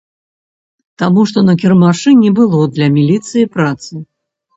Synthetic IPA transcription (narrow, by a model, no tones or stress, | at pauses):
t̪amuʂt̪ɔnɐk̬ʲirmaʂɨnʲɛbɨlˠɔd̪lʲɐmʲilʲit̪sɨjipɾat̪sɨ